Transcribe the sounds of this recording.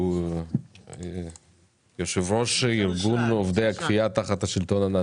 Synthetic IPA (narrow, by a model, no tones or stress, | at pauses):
joʃevɾoʃiɾɡunovd̪ejakfijat̪aχat̪haʃilt̪o̞nana